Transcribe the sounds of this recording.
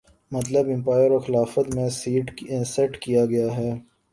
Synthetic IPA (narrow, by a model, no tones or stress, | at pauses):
mɐt̪ləbɪ̃mpaːjəɾoːxɪlaːfət̪mẽsiːʈːsɛʈkijaɡɐjaɦɛː